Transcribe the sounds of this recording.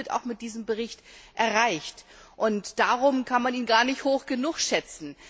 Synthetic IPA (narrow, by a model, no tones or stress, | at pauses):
əta̰ʊxmɪt̚d̥iːzəmbəʁ̞ɪçtʔɛɐʁaɪçtʔʊntd̥aːʁ̞ʊmkʰanmaniːnɡaːɐnɪçthoːxɡ̥ənʊxʃɛt͡sn̩